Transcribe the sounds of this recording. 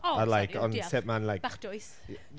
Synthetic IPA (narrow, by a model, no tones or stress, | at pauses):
əlajkʰɔnsɛp̚manlajkaχd̥ʊjs